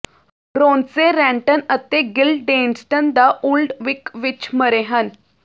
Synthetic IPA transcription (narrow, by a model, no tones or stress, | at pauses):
ɾoːnseɾɛ̃ːɳʈənət̪eːɡɪlɖẽːnsʈənd̪aːʔuːlɖʋɪkʋɪt͡ʃməɾeːɦən